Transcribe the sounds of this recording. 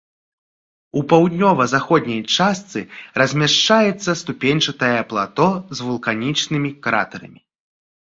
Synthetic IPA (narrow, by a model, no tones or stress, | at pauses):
upawd̪ʲnʲɔvɐzaxɔd̪ʲnʲɐjt͡ʂast̪sɨrɐzʲmʲaʂt͡ʂajɛt̪sːɐst̪upʲenʲt͡ʂɐt̪ɐjɛːplˠat̪ɔzvulˠkanʲit͡ʂnɨmʲikɾa̰t̪ɐɾɐ̰mʲi